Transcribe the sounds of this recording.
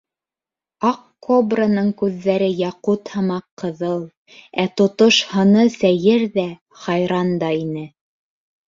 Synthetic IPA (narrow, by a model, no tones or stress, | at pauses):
ɑqkːobranɤɴkʉðːæɾɘjɑqut̪hɤ̆mɑqʰːɤ̆ðɤlˠ | æt̪ŏt̪oʃhɤ̆nɤsæjɘɾðæ | χɑjɾɑnd̪ɑinɘ